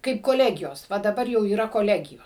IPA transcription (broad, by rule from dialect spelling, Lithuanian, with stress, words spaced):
kɐɪp koːˈlʲæːɡʲɪjoːs ˈʋɐ dɐˈbɐr jɛʊ iːˈrɐ koːˈlʲæːɡʲɪjʊ